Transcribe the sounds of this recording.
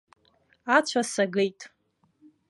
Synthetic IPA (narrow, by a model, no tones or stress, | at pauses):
at͡ɕʷʰasaɡejtʼ